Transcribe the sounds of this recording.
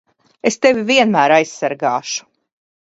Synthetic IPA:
est̪evʲiviɛnmæːɾajssːaɾɡaːʃu̥

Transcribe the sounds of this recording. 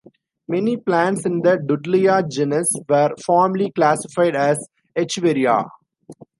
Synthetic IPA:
mɛniplæ̃ɳʈsɪ̃nd̪əɖʊɖliad͡ʒɛnəsʋəɾfɔːɾmliklæsɪfaɪɖæz | et͡ʃʋeɾia̰

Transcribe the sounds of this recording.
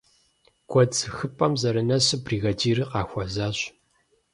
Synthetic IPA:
ɡ̥ʷʰɔd͡zxɨpʼɐmzɐɾɨnɐɕɨbriːɣɐdiːɾɨqɑːxʷɔzaːɕ

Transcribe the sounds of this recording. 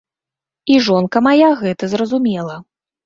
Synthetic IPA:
iʐɔnkɐmajaɣɛt̪ɐzɾɐzumʲɛlˠɐ

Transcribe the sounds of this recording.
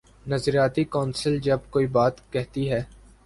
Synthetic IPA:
nɐzɾijaːt̪ikɔːnsəld͡ʒɐbkoːibaːt̪kɛɦt̪iɦɛː

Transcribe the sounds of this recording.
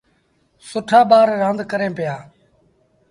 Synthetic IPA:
sʊʈʰaːbaːɾːãːnd̪kəɾẽːpɪjaː

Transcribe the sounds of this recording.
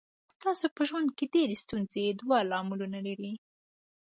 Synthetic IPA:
st̪ɑsopəʒwand̪̚ked̪eɾest̪unzed̪walɑmulunalaɾi

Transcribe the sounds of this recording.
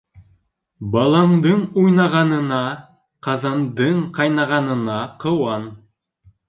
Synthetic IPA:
bɑlˠɑmd̪ɤɴujnɑʁɑnɤ̆nɑ | qɑðɑnd̪ɤɴqɑjnɑʁɑnɤ̆nɑqɤ̆wɑn

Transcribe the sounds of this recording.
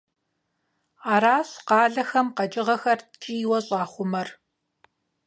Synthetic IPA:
aːɾaːɕqɑːɮɐxɐmqɐd͡ʒʼɪʁɐxɐrtʰiːwɐɕʼɑːχʷʊmɐr

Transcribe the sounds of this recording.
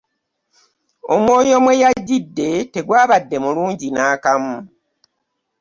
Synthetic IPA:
o̞mwo̞ːjo̞mwe̞jaɟːidːe̞te̞ɡwaːβadːe̞muluːɲɟinaːkamu

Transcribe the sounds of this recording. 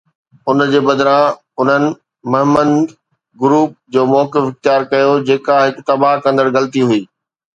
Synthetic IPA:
ʊnd͡ʑeːbɐd̪ɾã | ʊn̤ənɪ̆ | mɐɦɪmənd̪ | ɡʊɾuːp̚d͡ʑoːmɔːkɪfɪxt̪ijaːɾkɐjod͡ʑeːkaɦɪkt̪ɐbaɦkɐ̃nd̪əɾɣɐlt̪iɦuiː

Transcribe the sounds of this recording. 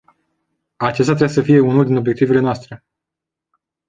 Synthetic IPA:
at͡ʃest̪ʲat̪ɾasəfije̞unuld̪ino̞bje̞k̚t̪ive̞le̞noast̪ɾe̞

